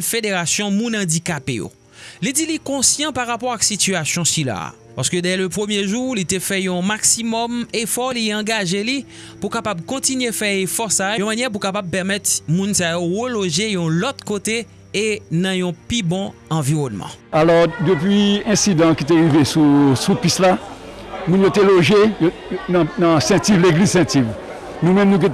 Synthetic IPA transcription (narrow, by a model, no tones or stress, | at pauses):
fedeʁasjɔ̃mũnɑ̃dikapejo̰ | lidilikɔ̃sjɑ̃paʁapɔʁaksit̪yasjɔ̃sila̰ | pa̰ʁsə̥kød̪ɛløpχømjeʒulit̪efɛjɔ̃maksimɔmefɔliɑ̃ɡaʒeli | pukapabkɔ̃t̪inɥefɛefɔsajojɔ̃manjɛp̬ukapab̚pɛʁmɛt̪mũnsajoʁəloʒejɔ̃lɔt̪kot̪e | enɐ̃jɔ̃pibɔ̃ɑ̃viʁɔnmɑ̰̃alɔʁd̪əpɥiɛ̃sid̪ãkit̪̬eʁivesusupisla | mũnjot̪eloʒejo | ñnãsɛ̃t̪ivleɡlizsɛ̃t̪iv | nũmɛ̃mnũk̬i